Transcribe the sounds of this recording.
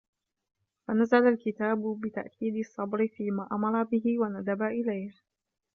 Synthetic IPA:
fanazalalkɪt̪aːbʊbɪt̪a̰ʔkʰiːd̪ɨsˤːɑbɾɪfiːmaːʔamɑɾˤɑbɪɦɪwanad̪abaʔɪlajh

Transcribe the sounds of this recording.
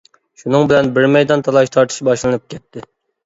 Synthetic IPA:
ʃunɨŋbɪlɛnbɪɾmɛjd̪ɑnt̪ʰɑlˠɑʃt̪ʰɑɾt̪ʰɨ̥ʃbɑʃlˠɨnɨp̚kʲʰɛt̪ʰːɪ

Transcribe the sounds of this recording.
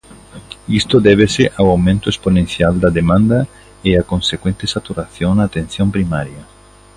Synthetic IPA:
ist̪oðɛβ̞eseʔawawmẽnt̪oesponẽn̟θjald̪ɐðemãnd̪ɐ | eakõnsekwẽnt̪esat̪uɾaθjõŋnaːt̪ẽn̟θjõmpɾimaɾjɐ

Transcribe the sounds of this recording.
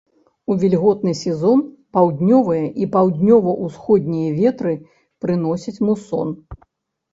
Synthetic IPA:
uvʲilʲɣɔt̪̚nɨsʲɛzɔn | pawd̪ʲnʲɔvɐjɐʔipawd̪ʲnʲɔvɐʔusxɔd̪ʲnʲijɐvʲɛt̪ɾɨ | pɾɨnɔsʲɐt͡sʲmusɔ̰n

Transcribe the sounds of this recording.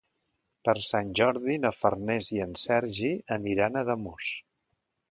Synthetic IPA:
pəɾsanʲʒɔɾðinəfərnɛziənsɛɾʒiəniɾanəðəmus

